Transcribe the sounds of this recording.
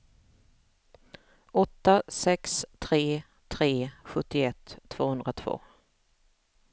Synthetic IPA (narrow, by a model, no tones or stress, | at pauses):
ʔɔt̪ːasɛkst̪ʰɾeː | t̪ʰɾeːɧɵt̪ːɪɛt̪ʰːv̥oːhɵnd̪ɾat̪ʰv̥o̰ː